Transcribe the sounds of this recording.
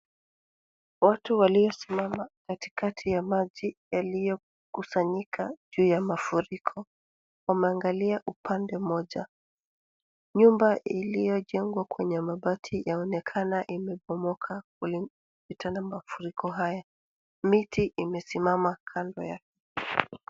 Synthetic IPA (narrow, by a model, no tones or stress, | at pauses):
watuwalijɔsimamakati̥katʰijamaʄijalijɔ | kusaɲikʰaʄuːjamafuɾikʰɔ | wamɛaŋɡaliaʔupʰandɛm̩ɔʄa | ɲumbaʔilijɔʄɛŋɡwakwɛɲɛmaɓatʰijaɔnɛkʰanaʔimɛɓɔmɔkʰakuli | pitʰanamafuɾikʰɔɦaja | mitiʔimɛsimamakʰandɔ̰jakɛ̥